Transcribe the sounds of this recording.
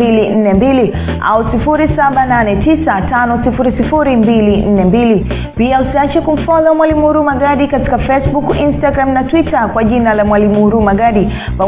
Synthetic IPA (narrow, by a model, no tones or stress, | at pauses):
ilin̩nɛmbili | a̰usifuɾisaɓananɛtisatanɔsifuɾisifuɾimbilin̩nɛmbili | piausiat͡ʃɛkum̩fɔzamwalimuuɾumaɡaɗikati̥kafɛsɓukinstaɡɾamnatwitakwaʄinalamwalimuuɾumaɡaɗi | pa